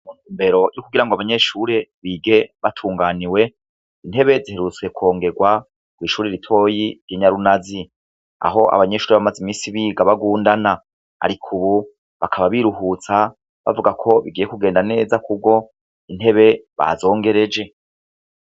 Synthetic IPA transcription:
munhuːmbe̞ɾo̞jukuɡiɾaŋɡoaβaɲe̞ʃuɾe̞βiːɡe̞βatʰuːŋɡaːniwe̞ | in̥he̞βe̞zihe̞ɾut͡swe̞kʰo̞ːŋɡe̞ɡwa | kwiːʃuːɾiɾitʰo̞ːjiɾjiɲaɾunazi | a̰ɦo̞ʔa̰βaɲe̞ʃuːɾeβamazimiːsiβiːɡaβaɡuːndana | a̰ɾikʰuβu | βakʰaβaβiɾuɦut͡sa | βa̰vuɡakʰo̞βiɡiːjekuɡe̞ːndane̞ːzakub̚ɡo̞ | inhe̞βe̞βa̰zo̞ːŋɡe̞ɾe̞d͡ʒe̞

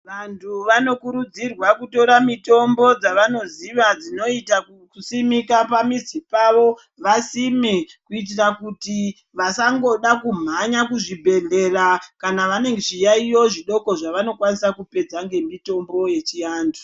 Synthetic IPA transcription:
ʋantʰuʋano̞kuɾud͡zirwakuto̞ɾamito̞mbo̞d͡zaʋano̞ziʋad͡zino̞ita | kusimikapamizipaʋo̞ | ʋasimekuit̬irakuti | ʋasaŋɡo̞ɗakum̤aɲakuʐibʱe̞ɮe̞rakanaʋane̞ŋɡeʐijaijo̞ʐiɗo̞ko̞ʐaʋano̞kwanisakupe̞d͡zaŋɡe̞mito̞mbo̞je̞t͡ʃijaːndu

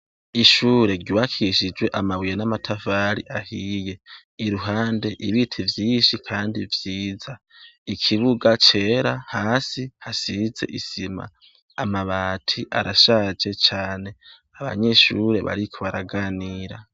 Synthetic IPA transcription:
iʃuːɾe̞ɾɟuwakʰiʃid͡ʒwe̞ʔamawijenamatʰafaːɾiʔahije̞ | iɾuɦaːnde̞ʔiβitʰivjiːnʃikʰaːndivjiːza | ikʰiβuɡat͡ʃe̞ːɾahaːsihasize̞̰ʔisima̰ː | maβaːtʰiʔa̰ɾaʃaːd͡ʒe̞t͡ʃaːne̞ | aβa̰ɲe̞ʃuːɾe̞βa̰ɾikʰoβaɾaɡaːniːɾa

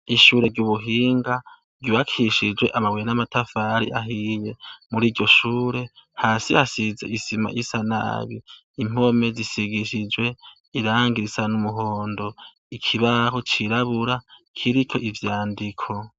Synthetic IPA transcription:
iʃuːɾe̞ɾɟuːβuɦiːŋɡa | ɾɟuβakʰiʃid͡ʒwe̞ʔamaβwejnamatʰafaɾḭʔaɦije̞muɾiːɾɟo̞ʃuːɾe̞haːsihasize̞isima̰ʔisana̰ːβi | im̥o̞me̞zisiɡiʃid͡ʒwe̞ | iɾaːŋɡiɾisanumuɦo̞ːndo̞ | ikʰiβaɦo̞t͡ʃiɾaβuɾakʰiɾit͡ʃʰo̞̰ʔivjaːndikʰo̞

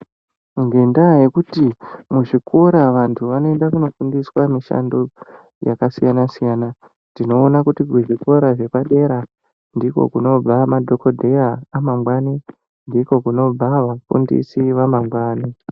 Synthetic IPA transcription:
ŋɡe̞ndaje̞kutimuʐikʰo̞ɾaʋantʰuʋano̞e̞ndakuno̞fundiswamiʃa̰ndo | ja̰kasijanasijana | ndino̞ːnakutikuʐiko̞ɾaʐe̞kwaɗe̞ɾa | ndiko̞̰kuno̞b͡vamadʱo̞ko̞dʱeaːmaŋɡwani | ndiko̞kuno̞b͡vaʋafṵndḭsiʋamamɡwaːni

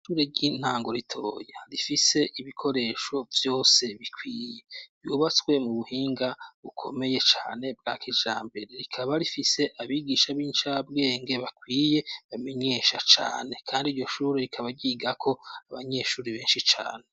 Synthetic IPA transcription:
ʃuːɾeɟin̥aːŋɡo̞ɾitʰo̞ːjaɾifise̞ʔiβikʰo̞ɾe̞ʃo̞vjo̞ːse̞βikʰwiːjejuːβat͡swe̞muβuhiːŋɡaβukʰo̞me̞je̞t͡ʃaːne̞bɡakʰid͡ʒaːmbe̞ɾe̞ɾikʰaβaɾifise̞ʔaβiɡiːʃaβiːnt͡ʃab̚ɡe̞ːŋɡe̞βakwiːje̞βame̞ɲe̞ʃat͡ʃa̰ːne̞kʰaːndiɾjo̞ʃuːɾeɾikʰaβaɾɟiːɡakʰo̞aβaɲe̞ʃuːɾiβe̞ːnʃit͡ʃa̰ːne̞

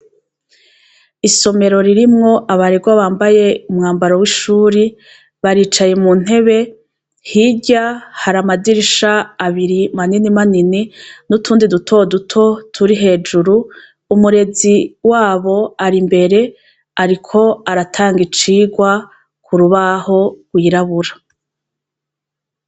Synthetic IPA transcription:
iso̞me̞ɾo̞ɾiɾimŋo̞ʔaβaɾeɡwaβaːmbaje̞umŋaːmbaɾowiʃuːɾi | βaɾiːt͡ʃajemun̥ɦe̞βe̞ | hiɟahaɾamadiɾiʃaːβiɾimaninimanininutʰuːndidutʰo̞dutʰo̞tʰuɾiɦe̞ːd͡ʒuɾuː | muɾe̞ziwaːβo̞aɾimbe̞ɾe̞ | aɾikʰo̞aɾatʰaːŋɡit͡ʃiːɡwa | kʰuɾuβaho̞ɡ̥wiːɾaβuɾa

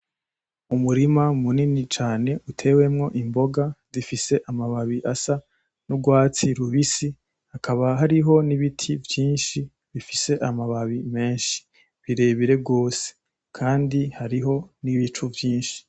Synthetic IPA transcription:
umuɾimamuninit͡ʃaːne̞ʔutʰe̞ːwe̞mŋo̞ʔimbo̞ɡazifise̞ʔamaβaβiʔasa | nuɡwaːt͡siɾuβisi | hakaβaɦaɾiɦo̞niβitʰivjiːnʃi | βifise̞ʔamaβaβime̞ːnʃi̥ | βiɾe̞ːβiɾe̞ɡo̞ːse̥ | kʰaːndihaɾiɦo̞niβit͡ʃuvjiːnʃi̥

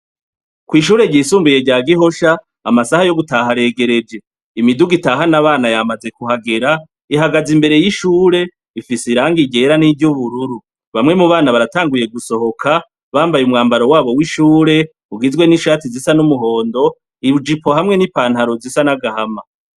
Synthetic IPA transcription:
kwiːʃ̬uːɾe̞ɟiːsuːmbuje̞ɟaːɡiɦo̞ʃaː | masahajo̞ɡutaɦaɾe̞ːɡe̞ɾe̞d͡ʒe̞ | imiduɡitaɦanaβaːnajamaze̞kuɦaɡe̞ɾa | iɦaɡazimbe̞ɾe̞jiʃuːɾe̞ | ifisiɾaːŋɡiɟe̞ɾanivɟuβuɾuɾu | βamŋe̞muβaːnaβaɾataːŋɡuje̞ɡuso̞ɦo̞kʰa | βaːmbajumŋaːmbaɾo̞waːβo̞wiʃuːɾe̞ | uɡizɡwe̞niʃaːtizisanumuɦo̞ːndo̞ | iβud͡ʒipo̞ɦamŋe̞nipaːnhaɾo̞zisanaɡahama

